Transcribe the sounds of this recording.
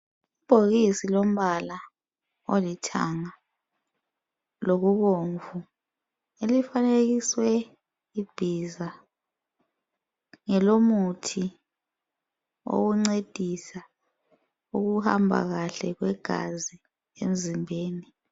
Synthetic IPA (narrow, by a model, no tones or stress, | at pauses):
ib̥ʱoɣisilom̩βala | olitʰa̰ŋa | loɣuβoɱvu | elifaneɣiswɛ | ib̥ʱiza | ŋɛlomutʰi | o̰ɣuŋ͡ǀed̥ʱisa | uɣuha̰mbʱa̰ɣaɬɛɣwɛɡ̥ʱa̰zi | ḛm̩zimbʱeːni